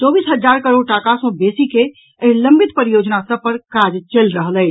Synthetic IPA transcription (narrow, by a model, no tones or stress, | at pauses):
t͡ʃɔbisɦəd͡ʒd͡ʒaɾkəɾoɖ̚ʈakasõbesike | əɦiləmbit̪pəɾijod͡ʒnasəpəɾkad͡ʒt͡ʃelɾəɦlɛ